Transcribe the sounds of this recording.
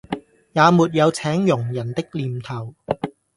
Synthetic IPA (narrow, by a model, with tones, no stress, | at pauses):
jaː˨˧muː˨t̬̚jɐ˨˧wt͡sʰɛː˨˥ŋjʊ˨˩ŋjɐ˨˩nt̪ɪ˥k̚liː˨mt̪ʰɐ˨˩w